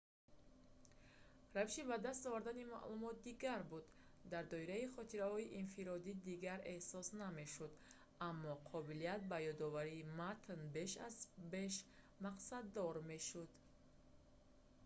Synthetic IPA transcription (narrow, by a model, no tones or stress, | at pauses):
raviʃibad̪ast̪ɔvaɾd̪anima̰ʔlumɔt̪̚d̪iɡaɾbud̪ː | aɾd̪ɔiɾaiχɔt̪ʰiɾahɔiʔinfiɾɔd̪id̪iɡaɾe̞hsɔsname̞ʃud̪ | amːɔqʰɔbilijat̪̚bajɔd̪ɔvaɾiːmat̪ʰnbe̞ʃa̰zbe̞ʃ | maqsad̪ːɔɾme̞ʃud̪̥